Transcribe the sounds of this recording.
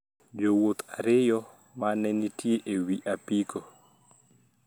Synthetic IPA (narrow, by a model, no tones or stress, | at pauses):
d͡ʒowot̪aɾɪjɔ | manɛnitjeʔewiʔapiko